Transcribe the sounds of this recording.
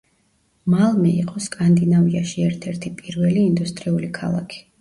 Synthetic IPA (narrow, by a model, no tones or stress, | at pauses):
malˠmɛiqʼɔskʼand̪inaviaʃiɛɾt̪ʰɛɾt̪ʰipʼiɾvɛliːnd̪ust̪ʼɾiulikʰa̰lˠa̰kʰi̥